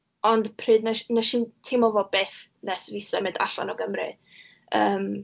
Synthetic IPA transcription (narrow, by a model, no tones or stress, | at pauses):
ɔndpʰrɨːdnaʃnaʃiːntʰemɔvɔbeːθnɛsvɪsɛmɪnda̰ɬa̰nɔɡəmrɨ̰ | əːm